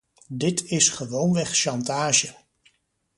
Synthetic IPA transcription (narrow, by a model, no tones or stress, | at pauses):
dɪtɪsχəʋownʋɛχʃɑntaːʒə